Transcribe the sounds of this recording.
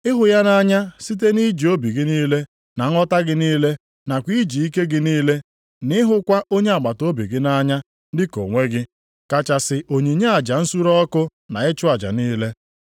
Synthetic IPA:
ɪ˦ɦʊ˨ja˦na˦ɲa˦si˦t̬e˦ni˦d͡ʒi˨o˦bi˨ɡɪ˦niː˦le˦ | na˨ŋ̩˦ɔ˦ta˦ɡɪ˦niː˦le˦ | na˨kʷi˦d͡ʒi˨i˦ke˦ɡɪ˦niː˦le˦ | nɪ˦ɦʊ˦kʷa˦ʔo˦ɲe˦a˨ɡ͡ba˨to˦bi˨ɡɪ˦na˦ɲa˦ | dɪ˦ko̰˨ŋʷe˦ɡɪ˦ | ka˨t͡ʃa˨sɪ˨ʔo˨ɲi˨ɲe˦a˨d͡ʒa˨n̩˦su˦ɾɔ˦kʊ˦na˨ɪ˦t͡ʃʊ˦a˨d͡ʒa̰˨niː˦le˦

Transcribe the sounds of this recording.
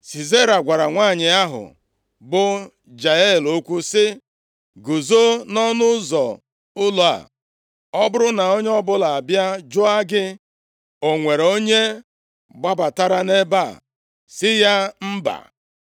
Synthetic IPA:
si˨ze˦ɾa˨ɡʷa˨ɾa˨ŋʷaː˦˨ɲɪ˨a˦ɦʊ̰˨ | bʊ˦ | d͡ʒa˨e˦˨lo˦kʷu˦sɪ˦ | ɡu˨zo˦nɔ˦nʊ˦zɔ˨ | ʊ˦lo˨a̰˨ | ɔ˦bʊ˦ɾʊ˦na˨o˦ɲ˦ɔ˦bʊ˦la˨a˨bja˦d͡ʒʊ˦a˦ɡɪ˦ | o˨ŋʷe˨ɾo˦ɲe˦ | ɡ͡ba˦ba˨ta˦ɾa˦ne˦ba˦˨ | sɪ˦ja˦m̩˦ba̰˨

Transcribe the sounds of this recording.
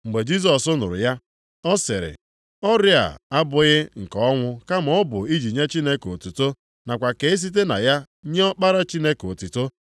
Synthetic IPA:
ŋ͡m̩˨ɡ͡be˨d͡ʒi˦s̬ɔ˨sʊ˦nʊ̰˨ɾʊ̰˨ja˦ | ɔ˦sɪ˨ɾɪ̰˨ | ɔ˦ɾɪ˦a̰˨a˦bʊ˨ɣɪ˦ŋ̩˨kɔ˦ŋʷʊ˦ka˦m̩˨ɔ˦bʊ˨i˦d͡ʒi˨ɲe˦t͡ʃi˦ne˦ko˨tu˨to˦ | na˨kʷa˨ke˨ɪ˦s̬i˦t̬e˦na̰˨ja˦ | ɲe˦ɔ˦k͡pa˦ɾa˦t͡ʃi˦ne˦ko˨tu˨to˦

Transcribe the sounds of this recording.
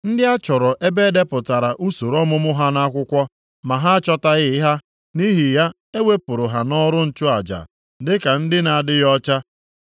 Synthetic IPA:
n̩˦dɪ˦a˦t͡ʃɔ˨ɾɔ˨ʔe˦be˦de˦pʊ˨ta˨ɾa˨ʔu˦so˨ɾɔ˦mʊ˦mʊ˦ɦa˦na˦kʷʊ˦kʷɔ˦ | ma˨ɦa˦a˦t͡ʃɔ˦ta˦ɣɪ˦ɪ˦ɦa˦ | ni˦ɦi˨ja˦ | e˦we˦pʊ˨ɾʊ˨ɦa˨nɔ˦ɾʊ˦n̩˦t͡ʃʊ˦a˨d͡ʒa̰˨ | dɪ˦ka˨n̩˦dɪ˦na˨dɪ˦ɣɔ˦t͡ʃa˦

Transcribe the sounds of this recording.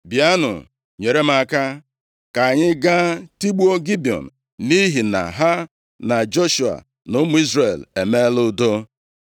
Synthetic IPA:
bja˦nʊ̰˨ | ɲe˨ɾe˦m̩˦a˦ka˦ | ka˨ɲɪ˦ɡa˦ti˦ɡ͡bu˦o˦ɡi˦bi˨ɔ̰˨n̩˨ | ni˦ɦi˨na̰˨ɦa˦ | na˨d͡ʒo˦ʃu˨a̰˨ | nʊ˦mu˦i˦zre˨le˨me˦lʊ˦do˦

